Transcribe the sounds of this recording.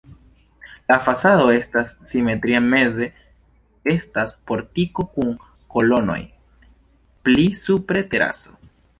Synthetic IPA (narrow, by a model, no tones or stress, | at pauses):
lafasaðo̞e̞stasːime̞t̪ɾiame̞ze̞ | e̞staspo̞ɾtiko̞kuŋ | ko̞lo̞no̞̰j | plisupɾe̞te̞ɾa̰so̞̥